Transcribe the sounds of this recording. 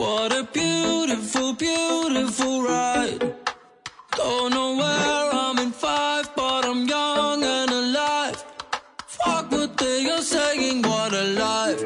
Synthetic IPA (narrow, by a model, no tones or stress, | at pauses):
wʌɾəbjuɾɪfl̩ˠbjuɾɪfl̩ˠɹaɪɪt̚ | d̥õʊ̃nːoʊwəɹãmɨ̃nfaɪvbʌɾãɪ̃mjʌŋɨ̃nəlaɪffak̚wəd̚ðejəseɪ̃ŋwʌɾəlaɪf